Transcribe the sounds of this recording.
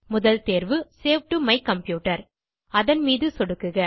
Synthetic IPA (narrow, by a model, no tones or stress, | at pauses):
mʊðɐlt̪eːɾʋɯseːʋʈumɐɪkːɐmpjuːʈːɐɾ | ɐðɐnmiːðɯsɔɽɯkːɯɣɐ